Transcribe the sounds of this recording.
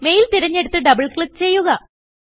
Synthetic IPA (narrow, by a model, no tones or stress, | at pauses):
me̞jilt̪iɾɐɲːe̞ɽut̪ːɨɖɐbɐɭkɭip̚t͡ɕe̞jːuɣɐ